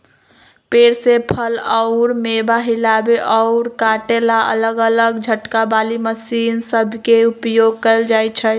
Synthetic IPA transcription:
peɾsepʰəlɔʊɾmebaɦilabeʔɔʊɾkaʈelaə̰ləɡələɡd͡ʒʱəʈkabaliməsiːnsəbʱkeupjoɡ̚kəld͡ʒajt͡ʃʰə

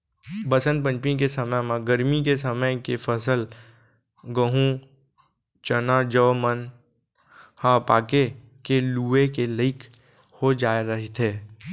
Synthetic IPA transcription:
bəsənpə̃ɲpĩkesəməmãɡəɾmikes̬əməjkefʰəsəl | ɡəɦũ | t͡ʃənad͡ʒəʋmən | hãpa̰ːke | keluːekeləɪkʰ | hod͡ʒaːeɾəɦit̪ʰɦeː

